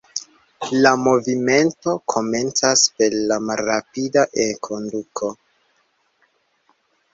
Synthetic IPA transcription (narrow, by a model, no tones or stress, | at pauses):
lamo̞vime̞nto̞kʰo̞me̞nt͡saspe̞ɾlamalɾapidaʔeŋkʰo̞ndukʰo̞